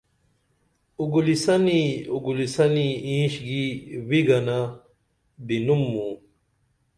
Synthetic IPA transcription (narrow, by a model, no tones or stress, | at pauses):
uɡulisɐniuɡulisɐniĩːɕɡiwiɡɐna | binumːũ